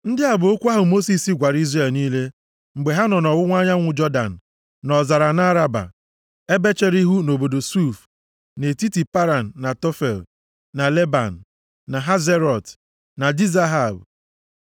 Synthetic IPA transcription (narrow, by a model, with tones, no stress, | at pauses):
n̩˦dɪ˦a˨bʊ˨o˦kʷu˦a˦ɦʊ˨mo˦si˨si˦ɡʷa˨ɾi˦zre˨lniː˦le˦ | ŋ͡m̩˨ɡ͡be˨ɦa˦nɔ˨nɔ˨wʊ˦ŋʷa˦ɲa˦ŋʷʊ˨d͡ʒɔ˦da̰˨n̩˨ | nɔ˨za˨ɾa˨na˦ɾa˦ba̰˨ | e˦be˦t͡ʃe˦ɾi˦ɦu˦no˨bo˨do˨su˦˨f | ne˨ti˦ti˨pa˦ɾa˨n̩ː˨a˨tɔ˦fḛ˨l | na˨le˦ba̰˨n̩˨ | na˨ɦa˦ze˦ɾɔ˨t | na˨di˦za˦ɦa˨b